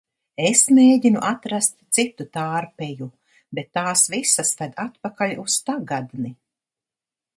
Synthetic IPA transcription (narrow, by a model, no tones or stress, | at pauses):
esmeːɟinuʔat̪ɾast̪sit̪ut̪aːɾpɛju | bet̪ːaːsvisasvad̪at̪pakalust̪aɡad̪ni